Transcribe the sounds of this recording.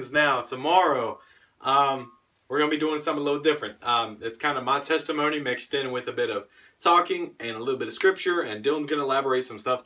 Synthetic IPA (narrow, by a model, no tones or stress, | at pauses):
znaʊtʰəmɑɹoʊ | ʔʌ̃m | wɪəɹɡʌ̃nəbidʉɪ̃ŋsʌ̃mθɪ̃lɪɾl̩ˠdɪfɹɨ̃nt̚ʌ̃mɨtskʰãɪ̃ndəmaɪtʰɛstɨmõʊ̃nimɪksðɪ̃nwɪðɨbɪɾʌv̥ | tʰɔkɪ̃ŋɨ̃nəlɪɾl̩ˠbɪɾʌv̥skɹ̥ɪp̚t͡ʃə˞ɨ̃ndɪl̃ˠn̩zɡʌ̃nəəlæbə˞eɪtsʌ̃mstʌf